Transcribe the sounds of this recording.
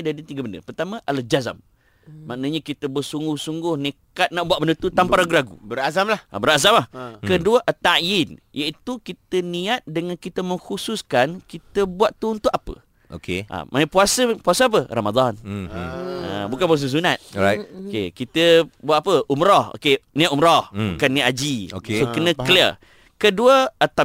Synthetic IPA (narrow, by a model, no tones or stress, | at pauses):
daɾit̪iɡabəndə̰pərt̪amə̃ʔald͡ʒaza̰mː | aʔnəɲəkit̪əbəsuŋɡʊhsuŋɡʊhnikat̪̚naʔbuwatʔ̚bəndət̪ut̪ampaɾaɡulaɡṵbəɾazamlahbəɾazamahkəduəʔət̪ːaʔjinjait̪ukit̪əniat̪̚dəŋãnkit̪əməŋxususkankit̪əbuaʔ̪uunt̪ʊʔapə̰ | okeʔa̰mʔa̰nəpuasəpuasəap̬əramad̪an | a̰bukanp̬uas̬əs̬unat̪̚aokḛkit̪əbuat̪apəumɾɔho̰kenĩat̪umɾɔhbukanːĩaʔ̪ad͡ʒiokesokənə̃kliə | kəduəət̪a